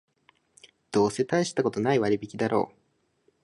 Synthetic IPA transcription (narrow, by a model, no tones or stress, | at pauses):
d̪̥o̞ːse̞t̪aiɕi̥t̪ako̞t̪o̞naiβaɾʲibʲikʲid̪aɾo̞̰ː